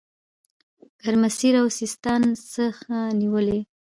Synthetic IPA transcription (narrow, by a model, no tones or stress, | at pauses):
ɡ̥aɾmasiɾawsist̪ɑnsəxaniwəle